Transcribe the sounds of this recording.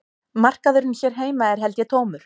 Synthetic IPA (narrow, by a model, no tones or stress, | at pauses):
mar̥kaðʏɾɪnçɛɾ̥ɦeːjmaɛɾ̥ɦɛlt̪jɛt̪ʰoːwmʏɾ̥